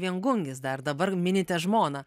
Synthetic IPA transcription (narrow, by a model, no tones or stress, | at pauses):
ʋʲiɛŋɡʊŋʲɡʲɪsd̪ɐrd̪ɐbɐɾmʲɪnʲɪt̪ʲɛʒmoːnɐ